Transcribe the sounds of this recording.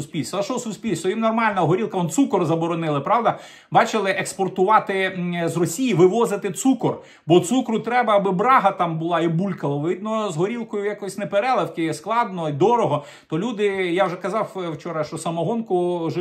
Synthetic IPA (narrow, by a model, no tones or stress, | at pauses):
ʊsʲpʲilʲst̪ʃɔsʊsʲpʲilʲst̪ɔjimnɔrmɑlʲnɐɦɔɾʲilˠkɐɔnt̪sukɔrzɐbɔɾɔnɪlˠɪpɾɑʋd̪ɐ | bɑt͡ʃɪlˠɪʔekspɔrt̪ʊʋɑt̪ɪzrɔsʲijiʋɪʋɔzɪt̪ɪt̪sukɔr | bɔt̪sukɾʊt̪ɾɛbɐːbɪbɾɑɦɐt̪ɑmbʊlˠɑibulʲkɐlˠɐʋʋʲid̪̚nɔzɦɔɾʲilˠkɔjʊjakɔɔsʲnepeɾɛlˠewkɪsklˠɑd̪nɔid̪ɔɾɔɦɔ | t̪ɔlʲud̪ɪjawʒɛkɐzɑwwt͡ʃɔɾɐʃt͡ʃɔsɐmɐɦɔnkʊʒɛ